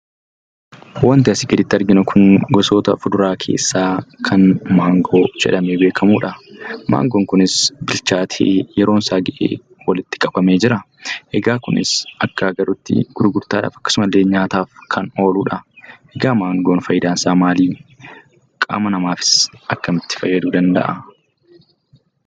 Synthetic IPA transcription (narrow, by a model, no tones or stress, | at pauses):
wɐnt̪ɪɐsɪɡɛd̪ɪt̪ːɐɾɡɪnʊkʰʊŋɡɔso̞ːt̪ɐ̰fʊd̪ʊɾaːkʰḛːsːaːkʰɐnmaːŋɡo̞ːd͡ʒɛ̰ᶑɐmeːbe̞ːkʰɐmuːᶑɐma̰ːŋɡoːŋkʊnɪsbɪlt͡ʃaːt̪ʰḛːjɛɾo̞ːnsaːɡɐʔḛː | wɐlɪt̪ːɪ̥kʼɐbɐme̞ːd͡ʒɪɾɐ | ʔɛɡaːkʊnɪ̰sʔɐkːɐɡɐɾʊt̪ːɪ̰ɡ̥ʊɾʊɡʊɾt̪aːᶑa̰ːfɐkːɐ̥sʊmɐlːeːɲaːt̪aːfkʰɐno̞ːluːᶑɐʔɛɡaːmaːŋɡoːnfɐjɪd̪aːnsaːmaːliː | kʼa̰ːmɐnɐmaːfɪ̥sʔɐkːɐmɪt̪ːɪ̥fɐjːɐd̪uːd̪ɐnd̪ɐ̰ʔɐ